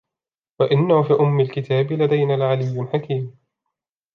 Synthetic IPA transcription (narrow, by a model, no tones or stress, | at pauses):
waʔɪnːafiːʔʊmːɪlkɪt̪aːbɪlad̪ajnalʕalɪjːlħakiːm